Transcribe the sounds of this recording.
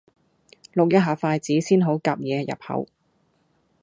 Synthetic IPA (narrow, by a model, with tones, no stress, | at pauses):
lʊ˨k̚jɐ˥ɦaː˨˩faː˧jt͡siː˨˥siː˥nɦo˨˥wkaː˧p̚jɛː˨˧jɐ̰˨˩p̚hɐ̰˨˧˥w